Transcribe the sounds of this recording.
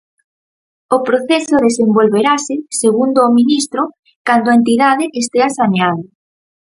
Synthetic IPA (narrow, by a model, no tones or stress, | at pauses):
ʊpɾoθesʊðesembolβeɾasɪseɣund̪oːminist̪ɾʊ | kand̪ʊaent̪iðaðɪʔest̪easaneaðo